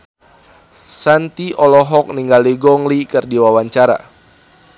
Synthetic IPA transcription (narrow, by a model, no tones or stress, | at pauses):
sant̪iʔɔlɔɦɔk̚niŋɡaliɡɔŋlikɨrdiwawaɲt͡ʃaɾa̰